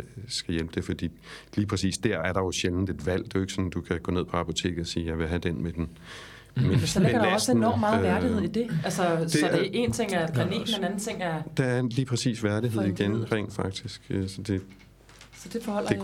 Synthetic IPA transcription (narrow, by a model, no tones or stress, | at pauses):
sɡ̥æjelb̥əd̥e̝fɒ̽d̥ḭːliːpʰʁɛsḭːsd̥æɐæɐɾ̥ɑ̈jo̝ɕeln̩d̥e̝d̥ʋæl̰d̥e̝joe̝ɡ̥sɒ̽nd̥ukʰæɡ̥ɔ̰̽ne̝ð̰ˠpʰɒ̽ɑ̈pʰo̝t͡sʰe̝̰ːɡ̥̩ˠɒsiːjɑ̈ɪʋe̝ɦæd̥enmed̥en | menmsɡɐdɾɒsenɒ̰ːmmːɑ̈ð̩ʋæɐɾie̝ð̞̰ˠid̥e̝ælsəsɒee̝nt͡sʰe̝ŋ̰æɐɡ̥ʰʁɑniɡ̥menenæn̩t͡sʰe̝ŋ̰æɐd̥ɑæɐeliːpʰʁɛsḭːsʋæɐɾ̥iɦe̝ð̞̰ˠiɡ̥enʁɛ̰ŋnd̥fɑ̈ɡ̥̚d̥isɡ̥sɒ̽d̥e̝ | sɒ̽d̥e̝fɒhɒ̽l̰ɐe